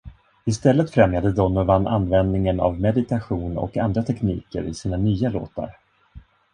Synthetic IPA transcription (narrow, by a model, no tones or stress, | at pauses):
ɪst̪ɛlːət̪fɾɛmjad̪əd̪ɔnːɔvanːa̰nːvɛnd̪nɪŋəna̰vmɛd̪ɪt̪aɧuːnɔ̰kand̪ɾat̪ʰɛkniːkə̰ɾɪ̰siːnanyːalo̰ːt̪a̰ɾ